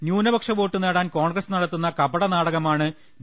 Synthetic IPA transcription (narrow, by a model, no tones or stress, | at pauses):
njuːnɐbɐkʂɐʋo̞ːʈːɨneːɽaːnko̞ːɳɡrɐsnɐɽɐt̪ːunːɐkɐbɐɽɐnaːɽɐɣɐmaːɳɨ